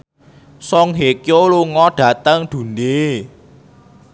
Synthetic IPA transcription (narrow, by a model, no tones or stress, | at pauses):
sɔŋɦekjoluŋɔɖ̥ä̤t̪əŋd̪̥ṳnde